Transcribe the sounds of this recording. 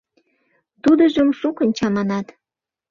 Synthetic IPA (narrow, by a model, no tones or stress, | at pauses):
t̪ud̪əʒəmʃukə̆nʲt͡ɕɑmɑnɑt̪